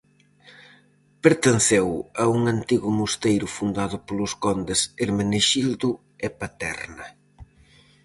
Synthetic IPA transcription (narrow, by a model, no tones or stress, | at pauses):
peɾt̪enθɛwɐuŋant̪iɣʊmust̪ejɾʊfund̪aðʊpolʊskɔnd̪eseɾmeneʃild̪ʊ | epat̪ɛ̰ɾnɐ